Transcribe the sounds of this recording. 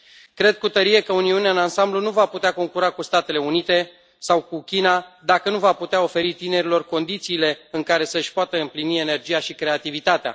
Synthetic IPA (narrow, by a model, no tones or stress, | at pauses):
kɾe̞d̪̚kut̪əɾije̞kəuniuneaɨnansamblunuvaput̪eako̞ŋkuɾakust̪at̪e̞le̞unit̪e̞ | sawkukʲinad̪akənuvaput̪eao̞fe̞ɾit̪ine̞ɾilo̞rko̞nd̪it̪siːle̞ɨŋkaɾe̞səʃʲpoat̪əɨmplinie̞ne̞rd͡ʒijaʃikɾe̞at̪ivit̪at̪ea̰